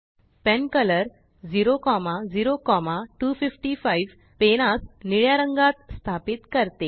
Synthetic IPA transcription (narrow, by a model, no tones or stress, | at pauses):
pɛnkələɾ | d͡ziɾokɔmad͡ziɾokɔmaʈufifʈifaiʋ | peñasniɭjaɾəŋɡat̪st̪ʰapit̪kəɾt̪e